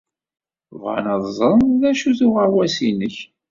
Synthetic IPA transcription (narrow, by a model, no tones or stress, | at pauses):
vʁɑ̰nɑðˤzˤənðæʃuθuʁəɾwæsinəç